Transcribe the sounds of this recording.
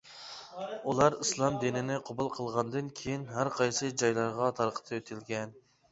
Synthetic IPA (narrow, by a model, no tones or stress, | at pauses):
ulˠɑɾislˠɑmd̪inɪnɪqʰobulˠqʰəlˠʁɑnd̪ɨnkʲʰejinɦæɾqʰɑjsɨd͡ʒɑjlˠɑɾʁɑt̪ʰɑɾəqʰə̥t̪ʰɑøt̪ʰɪlɡʲɛn